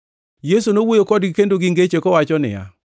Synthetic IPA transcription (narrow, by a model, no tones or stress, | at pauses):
jesunowojokɔdɡɪkendoɡɪŋɡet͡ʃekɔwat͡ʃɔnɪ̰ja̰